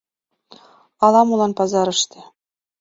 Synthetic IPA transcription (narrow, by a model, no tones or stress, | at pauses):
ɑlˠɑmulˠɑnpɑzɑɾɤ̆ʃt̪ʲɘ̆